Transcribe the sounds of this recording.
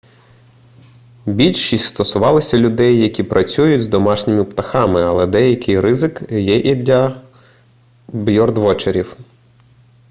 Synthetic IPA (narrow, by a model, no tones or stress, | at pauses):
bʲilʲʃisʲst̪ɔsʊʋɑlˠɪsʲɐlʲʊd̪ɛjːɐkʲipɾʔɐt͡sʲujʊtʲzd̪ɔmɑʃnʲɪmɪpt̪ɐxɑmɪɐlˠɛd̪ɛjɐkɪjrɪzɪkjɛʔid̪lʲɐ | bjɔrd̪ʋɔt͡ʃeɾʲiw